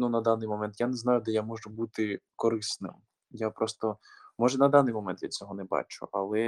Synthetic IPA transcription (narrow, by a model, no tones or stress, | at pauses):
nunɐd̪ɑnɪjmɔmɛnt̪janɛznɑjʊd̪ɛjamɔʒʊbut̪ɪkɔɾɪsnɪ̰m | japɾɔst̪ɔmɔʒɛnɐd̪ɑnɪjmɔmɛnt̪lʲid̪ʲt͡sʲɔɦɔnɛbɑ̰t͡ʃʊ̰ʔɐlˠɛ